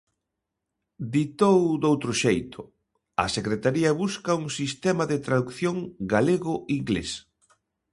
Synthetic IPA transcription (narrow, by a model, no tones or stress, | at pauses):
d̪it̪owd̪owt̪ɾʊʃejt̪ʰʊ | ɐ̰sekɾet̪aɾiɐβuskɐuŋsist̪ɛmɐðet̪ɾaðukθjoŋɡaleɣʊiŋɡlḛs